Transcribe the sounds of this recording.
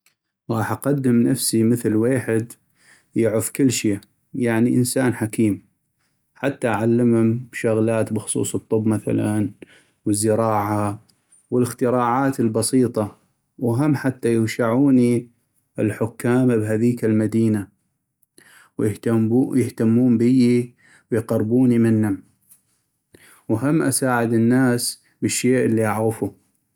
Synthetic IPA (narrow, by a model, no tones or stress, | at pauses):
ɣɑːħʔaqɑd̪ːɪmnafsiməθlweːħɪd̪ | jɪʕʊfkɪlːʃeː | jaʕniʔənsaːnħakiːm | ħat̪ːaʔʕalːɪmhʊmʃʊɣlaːt̪bɪxsˤṵːsˤɨt̪ˤːʊbmaθa̰lan | wəzːɪɾɑːʕa | wɪlɪxt̪ɪɾɑːʕaːt̪ɪlbɑsiːt̪ˤɑ | wɦamːħat̪ːajɪwʃaʕuːni | ɪlħʊkːaːmabɦaðiːkalmad̪iːna | wjɪht̪amujɪht̪amːuːmbəji | wjqɑɾˤbuːnimɪnːʊm | wɦamːʔa̰saːʕɪd̪ɪnːaːs | bəʃːeːʔəlːiʔaʕɣɪfu